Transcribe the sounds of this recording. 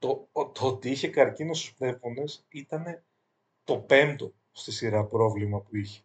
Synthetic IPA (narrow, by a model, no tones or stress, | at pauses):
t̪ot̪oot̪iiçe̞kɐɾcino̞st̪o̥spɾe̞fo̞ne̞sit̪ɐne̞ | t̪o̞pe̞nt̪o̞ | st̪isiɾɐpɾo̞vlimɐpuiçe̞̥